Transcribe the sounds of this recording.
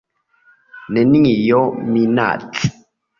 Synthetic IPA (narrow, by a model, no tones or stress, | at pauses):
neniŋijɔmina̰t͡ɬʰ